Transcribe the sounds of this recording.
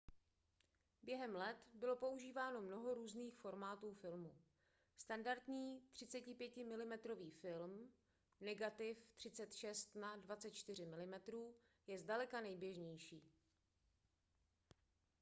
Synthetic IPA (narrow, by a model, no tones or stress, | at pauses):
bjɛɦɛmlɛt̪bɪlo̞po̞uʒiːvaːno̞mno̞ɦo̞ɾuːzniːxfo̞ɾmaːt̪uːfɪlmu | st̪andaɾt̪ɲiːt̪r̥ɪt͡sɛcɪpjɛcɪmɪlɪmɛt̪ɾo̞viːfɪlm | nɛɡat̪ɪft̪r̥ɪt͡sɛt̪ʃɛst̪nadvatt͡sɛt̪t͡ʃt̪ɪr̝ɪmɪlɪmɛt̪ɾuː | jɛzdalɛkanɛjbjɛʒɲɛjʃiː